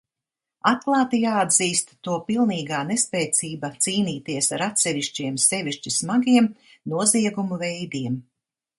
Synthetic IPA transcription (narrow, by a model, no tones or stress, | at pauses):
at̪̚klˠaːt̪ijaːad̪ziːst̪ːuɔpilˠniːɡaːnespɛjt̪siːbat̪siːniːt̪iɛsaɾat̪sɛʋiʃt͡ʃiɛmsɛviʃt͡ʃismaɡiɛmnuɔziɛɡumuvɛjd̪iɛm